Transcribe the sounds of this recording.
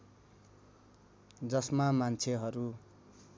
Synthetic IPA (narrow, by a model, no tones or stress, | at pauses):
d͡zʌsmamant͡sʰeɦʌɾu